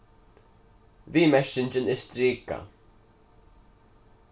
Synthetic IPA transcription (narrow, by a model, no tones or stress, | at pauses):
viːmɛʃɪnt͡ʃɪnɪst̪ɾiːka̰